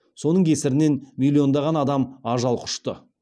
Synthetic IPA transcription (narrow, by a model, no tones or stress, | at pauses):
so̞nəɴkʲʰesɪɾɪne̞nmilʲːio̞nd̪ɑʁɑnɑd̪ɑmɑʒɑlˠqʰʊ̥ʃt̪ə